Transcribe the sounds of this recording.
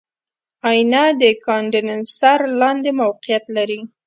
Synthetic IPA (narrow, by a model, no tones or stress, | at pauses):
ɑjnɑd̪əkɑɳɖɪnansaɾlɑnd̪emawqɪjat̪laɾi